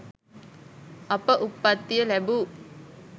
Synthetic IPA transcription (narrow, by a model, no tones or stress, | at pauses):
ɐpəʔupːat̪ːijəlæbuː